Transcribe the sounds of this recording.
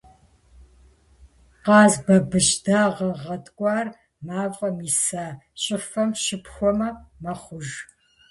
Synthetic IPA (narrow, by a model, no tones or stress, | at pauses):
qɑːzbɐbɨʃdaːʁɐʁɐtʼkʷʼɑːr | maːvʼqʼɐmiːsaːɕʼɪfɐmʃɪpʰxʷɔmɐmɐχʷʊʒ